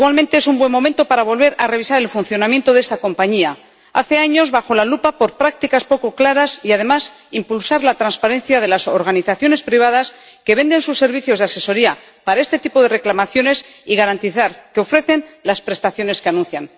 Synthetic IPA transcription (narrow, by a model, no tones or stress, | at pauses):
iɣwalmẽnt̪ees̬umbwe̞mo̞ment̪o̞paɾaβ̞o̞lβ̞e̞ɾare̞βisaɾe̞lfun̟θjo̞nãmje̞nt̪o̞ðe̞st̪ako̞mpaɲia | a̰θe̞aɲo̞zβaxo̞lalupapo̞ɾpɾak̚t̪ikaspoko̞klaɾasiað̞e̞mas | impulsaɾlat̪ɾanspaɾe̞nθjað̞e̞lasoɾɣaniθaθjone̞spɾiβ̞aðaske̞β̞e̞nd̪e̞nsusːe̞ɾβ̞iθjo̞zðease̞so̞ɾia | paɾae̞st̪e̞t̪ipo̞ðe̞re̞klamaθjo̞ne̞siɣaɾant̪iθaɾke̞o̞fɾe̞θe̞nlaspɾe̞st̪aθjo̞ne̞skeanũnθjan